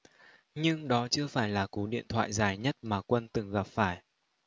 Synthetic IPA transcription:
ɲɨ˧ŋɗɔ˨˦t͡ɕɨ˧əfaː˧˩jlaː˨˩ku˨˦ɗḭ˧˨ənt̪ʰwa̰ː˧˨jzaː˨˩jɲə˦˥t̚maː˨˩kwə˧nt̪ɨ˨˩ŋɣa˨˩p̚faː˧˩j

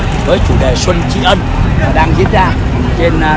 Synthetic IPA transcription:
vəː˨˦jt͡ɕu˧˩ɗe˨˩swə˧nt͡ɕḭ˧˦ʔə˧n | aː˨˩ɗaː˧ŋzi˧˦˥ən̚zaː˧˨˩t͡ɕe˧n˧

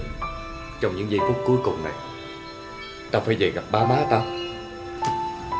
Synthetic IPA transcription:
t͡ɕɔ˧wŋ͡mɲɨ̰˧˥ŋzə˧jk̪ɨ˦˥k̚ku˨˦jkʊ˨˩ŋ͡mna̰˨˩j | t̪aː˧faː˧˦jzə˨˩ɣa˨˩p̚ɓaː˧maː˨˦t̪aː˧

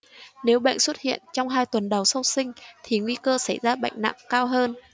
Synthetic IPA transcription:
ne˨˦wɓa̰˧˨jŋ̟swə˦˥t̚hḭ˧˨ənt͡ɕɔ˧wŋ͡mɦaː˧jt̪wə˨˩nɗə˨˩wsə˧wsï˧ŋ̟t̪ʰi˨˩ŋwi˧kəː˧sa˧˩jzaː˧ɓa̰˧˨jŋ̟na̰˧˨ŋkaː˧wɦəː˧n

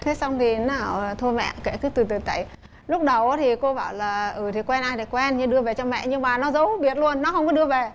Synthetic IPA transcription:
t̪ʰe˨˦sa˧wŋ͡mt̪ʰi˨˩naː˨˩wt̪ʰu˧mɛ̰˧˨ke˧˩kɨ˨˦jt̪ɨ˨˩t̪ɨ˨˩t̪a̰˧˨j | lʊ˦˥k͡p̚ɗə˨˩wʔaː˨˦t̪ʰi˨˩ko˧ɓaː˧˩wlaː˨˩ʔɨː˨˩t̪ʰi˨˩kwɛ˧nʔaː˧jt̪a˧˩kwɛ˧nɲɨ˧ɗɨ˧əve˨˩t͡ɕɔ˧mɛ̰˧˨ʔɲɨ˧ŋmaː˨˩nɔ˨˦zə˨˦wɓi˨˩ət̚lu˧ənːɔ˨˦hə˧wŋ͡mkɔ˨˦ɗɨ˧əve˨˩

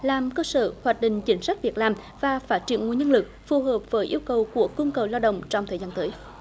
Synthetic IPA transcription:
laː˨˩mkəː˧sə̰ː˧˩hwaː˨˩t̚ɗï˧˨ŋ̟t͡ɕï˨˦ŋ̟sa˦˥jk̚vi˨˩ək̚laː˨˩m | vaː˨˩faː˦˥t̚t͡ɕi˧˩ənŋu˧˨əɲə˧nlɨ˨˩k̚fu˨˩ɦəː˨˩p̚vəː˨˦jʔi˧əwkə˨˩wku˧˩əku˧nkə˨˩wlaː˧wɗə̰˧˨wŋ͡mt͡ɕɔ˧wŋ͡mt̪ʰəː˨˩zaː˧nt̪əː˨˦j

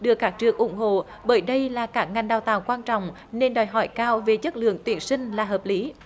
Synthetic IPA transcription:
ɗɨ˧˨˩əkːaː˦˥k̚t͡ɕɨ˨˩əkʔʊ˧˩˦ŋ͡mɦo̰˧˨ | ɓəː˧˦jɗə˧jlaː˨˩kaː˦˥k̚ŋa˨˩ŋ̟ɗaː˨˩wt̪aː˨˩wkwaː˧nt͡ɕɔ̰˧˨wŋ͡m | ne˧nɗɔː˨˩jɦɔ˧˩jkaː˧wve˨˩t͡ɕə˦˥t̚lɨ̰˧˨əŋt̪wi˨˧˦ənsï˧ŋ̟laː˨˩ɦəː˨˩p̚li˨˦

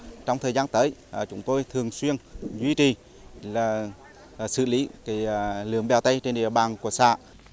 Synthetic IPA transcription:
t͡ɕɔ˧wŋ͡mt̪ʰəː˨˩zaː˧nt̪əː˨˦jʔt͡ɕʊ˨˦ŋ͡mt̪o˧jt̪ʰɨ˨˩əŋswi˧ənzwi˧t͡ɕi˨˩ | laː˨˩˨ | sɨ̰˧˨˩li˨˦ka˨˦˧lɨ̰˨˧˦əŋɓɛ˨˩wt̪ə˧jt͡ɕe˧nɗḭ˧˨əɓaː˨˩nku˧˩əsa̰ː˧˨

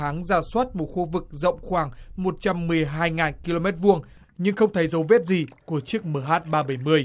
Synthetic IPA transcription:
aː˨˦ŋzaː˧˩swaː˦˥t̚mo˨˩t̚xu˧vɨ˨˩k̚zə̰˧˨wŋ͡mxwaː˧˩ŋmo˨˩t̚t͡ɕa˧mːɨ˨˩əjɦaː˧jŋaː˨˩nki˧lo˧mɛ˦˥t̚vu˧əŋ | ɲɨ˧ŋxə˧wŋ͡mt̪ʰə˨˦jzə˨˦wvɛ˦˥t̚zi˨˩ku˧˩ət͡ɕɨ˦˥ək̚məː˧˩ɦaː˦˥t̚ɓaː˧ɓə˧˩jmɨ˧əj

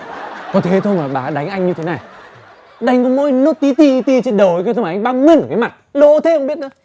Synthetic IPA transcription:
kɔ˨˦t̪ʰe˨˦t̪ʰo˧jmaː˨˩ɓaː˨˩ɗa˨˦jŋ̟ʔa˧jŋ̟ɲɨ˧t̪ʰe˨˦na˨˩j | ɗa˨˦jŋkɔ˨˧˦mo˧˦jno˦˥t̚t̪i˧˦t̪i˧t̪i˧t͡ɕe˧nɗə˨˩wjkːt̪ʰo˧ma˨ʔŋ̟ɓaː˧wmi˧ənʔəː˨˧˩kaː˨˦ma˨˩t̚lo̰˧˥t̪ʰe˧˨˦hə˧ŋ͡mɓi˥ət̚nəː˨˦

